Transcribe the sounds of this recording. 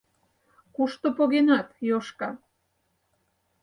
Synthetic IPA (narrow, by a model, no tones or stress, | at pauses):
kuʃt̪opoɣenɑt̪joʃkɑ